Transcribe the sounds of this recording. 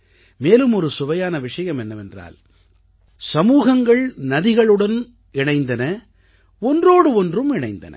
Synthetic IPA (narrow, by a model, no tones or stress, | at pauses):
meːlɯmɔɾɯsʊʋɐjaːnɐʋɪʂɐjɐmɛnːɐʋɛndra̰ːl | sɐmuːɣɐŋɡɐɭnɐðɪɣɐɭɯɽɐn | ɪɳɐɪnd̪ɐnɐ | ɔndroːɽɯɔndrɯmɪɳɐɪnd̪ɐ̰nɐ̰